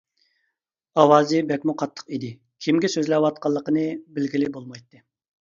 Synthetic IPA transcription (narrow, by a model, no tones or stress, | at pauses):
ɑwɑːzɨbɛkʲmuqʰɑt̪ʰːə̥qid̪ɪ | kʲʰimɡʲɛsøzlɛwɑt̪̚qɑlˠːəqənɨbɪlɡʲilɪbolˠmɑjt̪ʰːɨ